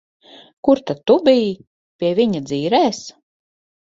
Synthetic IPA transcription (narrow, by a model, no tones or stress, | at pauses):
kuɾt̪at̪ːubij | pʲiɛviɲad̪ziːɾɛːs